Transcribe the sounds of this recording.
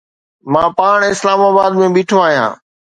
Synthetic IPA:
mãːpaːɳ̃ɪslaːmaːbaːd̪mẽːɓiːʈʰoaːɦijã̰ː

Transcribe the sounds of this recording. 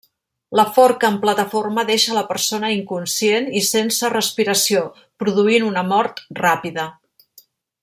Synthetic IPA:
ləfɔɾkəːmplət̪əforməðeʃələpəɾsonəiŋkunsijenisensərəspiɾəsio | pɾuðuinunəmɔɾt̪rapiðə

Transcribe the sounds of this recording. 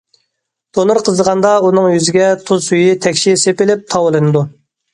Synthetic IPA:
d̪̥onɨɾqʰəzəʁɑnd̪ɑunɨŋjyzɪɡʲɛt̪ʰuzsyjit̪ʰɛkʲʃisepɪlɪp̚t̪ʰɑwɨlˠɨnɨd̪u

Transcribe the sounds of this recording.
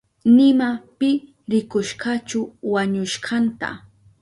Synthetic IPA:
nɪmapɪ | ɾɪkʊʃɢat͡ʃʊwaɲʊʃɢɑnt̪a̰

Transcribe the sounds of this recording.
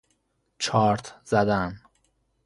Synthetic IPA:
t͡ʃʰɒːɾt̪ʰz̥æd̪æn

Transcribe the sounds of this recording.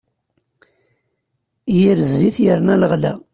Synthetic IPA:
jiɾzːiθjəɾnæləʁlæ̰

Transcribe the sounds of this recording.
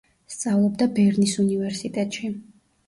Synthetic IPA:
st̪sʼavlˠɔb̚d̪abɛɾnisunivɛɾsit̪ʼɛt̪ʼʃi

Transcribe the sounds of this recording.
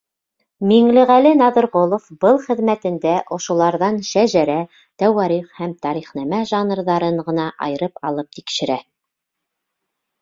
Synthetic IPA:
miŋlɘʁælɘnɑðɤ̆ɾʁolˠofbɤlˠχɘ̆ðmæt̪ɘ̆nd̪æʔŏʃŏlˠɑɾðɑnʃæʒæɾæ | t̪æwɑɾiχhæmt̪ɑɾiχnæmæʒɑnrðɑɾɤɴʁɤ̆nɑʔɑ̰jɤ̆ɾɤpɑ̰lˠɤp̚t̪ikʃɘ̆ɾæ

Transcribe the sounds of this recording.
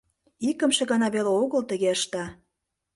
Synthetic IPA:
ikə̆mʃĕɣɑnɑβeleoɣə̆lt̪ə̆ɣeəʃt̪ɑ

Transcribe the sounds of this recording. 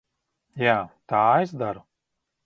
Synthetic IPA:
jaːt̪aːesd̪aɾu

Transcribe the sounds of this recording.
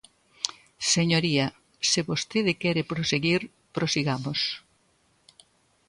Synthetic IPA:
seɲoɾiɐ | seβost̪eðɪkɛɾepɾoseɣiɾ | pɾosiɣamos

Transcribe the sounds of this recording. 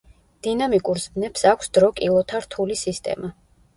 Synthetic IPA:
d̪̥inamikʼuɾzbnɛpsakʷʰsd̪ɾɔkʼilˠɔt̪ʰaɾt̪ʰulisist̪ʼɛ̰ma

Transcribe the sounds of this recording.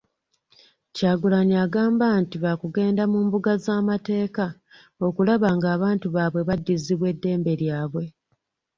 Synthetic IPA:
caːɡulaɲiaɡaːmbantiβakuɡe̞ːndamuːmbuɡazaːmate̞ːka | o̞kulaβaŋɡaːβaːntuβaːβwe̞βadːiziβwe̞dːe̞ːmbe̞ɾjaːβwe̞

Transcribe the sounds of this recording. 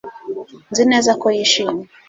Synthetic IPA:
nzinɛzakuiʃimu

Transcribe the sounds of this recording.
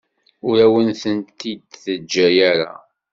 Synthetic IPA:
ʊɾæwənθənt̪id̪θəd͡ʒːæjæɾa̰

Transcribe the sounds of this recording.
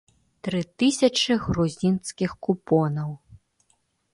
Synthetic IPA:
t̪ɾɨt̪ɨsʲɐt͡ʂɨɣruzʲinskʲixkupɔnɐw

